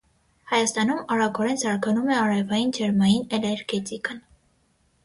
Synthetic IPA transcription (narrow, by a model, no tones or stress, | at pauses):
hɑjɑst̪ɑnumɑɾɑkʰɔɾɛnsɑɾɡɑnumɛɑɾɛvɑjind͡ʒʰɛɾmɑjinɛlɛɾɡɛt̪ikən